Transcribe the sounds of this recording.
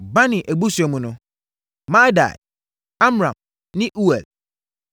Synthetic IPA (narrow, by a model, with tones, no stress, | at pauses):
ba˦nɪ̃˨ʔæ˨ɡ͡bu˦su˨æ˨mũ˨nʊ̃˦ | mã˦da̰˨j | a˦m˨ɾã̰˨m | nɪ̃˦ʔu˦ɛ˨l